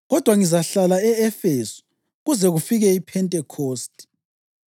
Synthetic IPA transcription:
ɣɔd̥ʱwaŋizaɬalaɛɛfesu̥ | ɣuzɛɣufiɣɛipʰɛntʼɛkʰoːstʼi̥

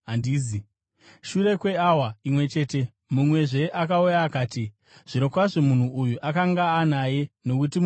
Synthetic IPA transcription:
andiːzi | ʃure̞kwe̞awaimwe̞t͡ʃe̞ːte̞ | mumwe̞ʐe̞ʔakaujaːkaːti | ʐ̥iɾo̞kwaʐomun̤uʔujuʔakaŋɡaːnaje̞no̞kuti

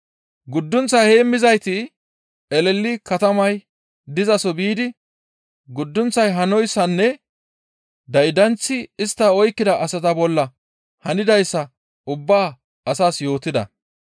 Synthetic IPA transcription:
ɡʊd̪ːʊnt͡sːɐjheːmːɪzɐjt̪ɪ | ɛlɛlːɪkɐt̪ɐmɐj | d̪ɪzɐsɔbiːd̪ɪ | ɡʊd̪ːʊnt͡sːɐjɦɐnɔjsːɐnːɛ | d̪ɐjd̪ɐnt͡sːɪɪst̪ːɐɔjkːɪd̪ɐʔɐsɐt̪ɐbɔlːɐ | hɐnɪd̪ɐjsːɐ | ʊbːaː | ɐsaːsjo̞ːt̪ɪd̪ɐ̰

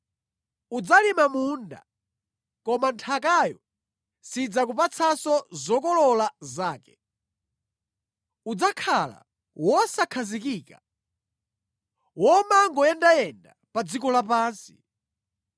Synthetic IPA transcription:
ud͡zalimamunda̰ | kɔmantʰakajɔ | sid͡zakupat͡sʰasɔzɔkɔlɔlazaːkɛ̥ | ud͡zakʰala̰ | wɔsakʰazikiːka | wɔmaŋɡɔjɛndajɛnda | pad͡zikɔlapaːnsi̥

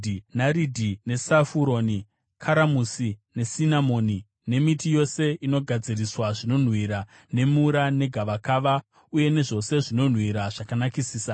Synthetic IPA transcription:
naɾidʱine̞safuɾo̞ni | kʰaɾamusine̞sinamo̞ːni | ne̞mitijo̞se̞ino̞ɡʱad͡ziriswaʐino̞n̤wiɾa | ne̞muɾane̞ɡʱaʋakaːʋa | uje̞ne̞ʐo̞se̞ʐino̞n̤wiɾaʐ̥akanakisiːsa

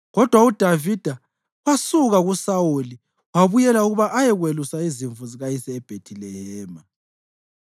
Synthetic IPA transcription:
ɣɔd̥ʱwaud̥ʱavid̥ʱa | wasuɣaɣusawuli | waβujɛlauɣuβaʔajɛɣwelusaiziɱvuziɣajisɛːb̥ʱetʰilɛhɛːma

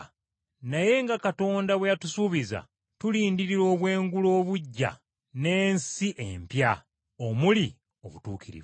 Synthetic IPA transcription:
naje̞ŋɡakato̞ːndaβwejatusuβiza̰ | tuliːndiɾiɾo̞ːβwe̞ːŋɡulo̞ːβuɟːa̰ | ne̞ːnsiʔempja | omuli | o̞̰βutuːkiɾḭβ

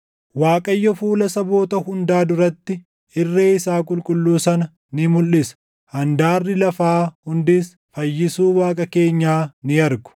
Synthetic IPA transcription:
waːkʼɐjːɔfuːlɐsɐbo̞ːt̪ɐhʊnd̪aːd̪ʊɾɐt̪ːɪ | ʔɪrːe̞ːɪsaːkʼʊlkʼʊlːuːsɐnɐ | nɪmʊlːɪsɐ̥ | hɐnd̪aːrːɪlɐfaːhʊnd̪ɪs | fɐjːɪsuːwaːkʼɐke̞ːɲːaːnɪɐɾɡʊ̥

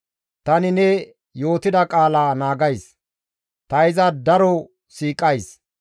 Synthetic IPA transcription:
t̪ɐnɪnɛ | jo̞ːt̪ɪd̪ɐkʼaːlaːnaːɡɐjs | t̪ɐɪzɐd̪ɐɾɔ | siːkʼːɐjs

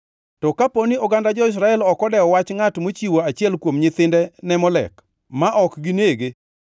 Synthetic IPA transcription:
tɔkaponiɔɡandad͡ʒɔɪs̬ɾaɛlɔkɔdɛɔwat͡ʃŋatmot͡ʃiwoat͡ʃɪɛlkwomɲɪt̪ɪndɛnɛmɔlɛ̰k | maʔɔkɡineɡe

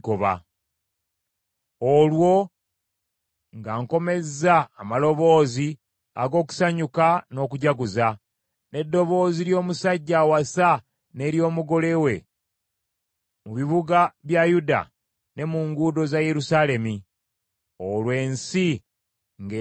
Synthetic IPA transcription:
koβa̰ | olwo̞ | ŋɡaːŋko̞me̞zːaːmalo̞βo̞ːzi | a̰ɡo̞ːku̥saɲukano̞ːkuɟaɡuza | ne̞dːo̞βo̞ːziɾjo̞ːmusaɟːawasa | ne̞ːɾjo̞ːmuɡo̞le̞we̞ | muβiβuɡaβjajuda̰ | ne̞muŋɡudo̞zaje̞ɾusale̞mi | olwe̞ːnsi | ŋɡe

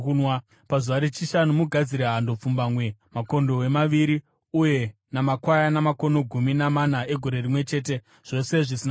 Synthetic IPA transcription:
nw | pazuʋaɾet͡ʃiʃanumuɡʱad͡ziɾeɦando̞p͡fumbaːmwe̞mako̞ndo̞we̞maʋiɾi | uje̞ | namakwajanamako̞no̞ɡʱuminamanae̞ɡʱo̞ɾe̞rimwe̞t͡ʃe̞ːt̬e̞ | ʐ̥o̞se̞ʐisina

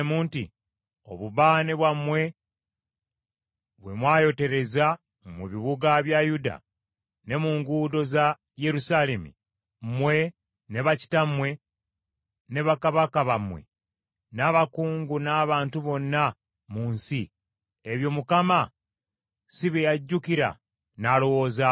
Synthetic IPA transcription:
muːnti | o̞̰βuβaːneβwamwe̞ | βwe̞mwaːjo̞te̞ɾe̞za | muβiβuɡaβjajuda̰ | ne̞muːŋɡuːdo̞za | je̞ɾusalemḭ | mwe̞ | neβaci̥tamwe̞ | ne̞βakaβakaβamwe̞̰ | naβakuːŋɡunaːβaːntuβo̞nːa | muːnsi | eβjo̞mukama | siβejaɟːukiɾa̰ | nalo̞wo̞ːza

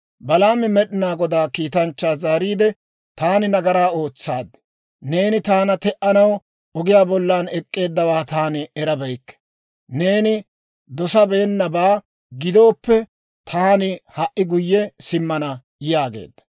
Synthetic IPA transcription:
bɐlaːmɛmɛɗɪnaːɡɔd̪aːkiːt̪ɐnt͡ʃːaːzaːɾiːd̪ɛ | t̪aːnɪnɐɡɐɾaːo̞ːt͡sːaːd̪ːɪ̥ | ne̞ːnɪt̪aːnɐt̪ɛʔɐnɐw | ɔɡɪjaːbɔlːaːnɛkʼːe̞ːd̪ːɐwaːt̪aːnɪɛɾɐbɐjkːɛ̥ | ne̞ːnɪ | d̪ɔsɐbe̞ːnːɐbaː | ɡɪd̪o̞ːpːɛ | t̪ʰaːnɪhɐʔɪɡʊjːɛsɪmːɐnɐ | jjaːɡe̞̰ːd̪ːɐ̥

